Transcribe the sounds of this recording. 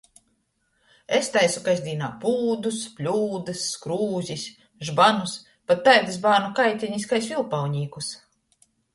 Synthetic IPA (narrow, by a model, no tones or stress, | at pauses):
est̪ajsukajzʲd̪ʲiːnaːpuːd̪usplʲuːd̪ɨsːkɾuːzʲis | ʒbanus | pat̪ːajd̪ɨzbaːnukajt̪ʲɛɲiskajsvilˠpawɲiːkus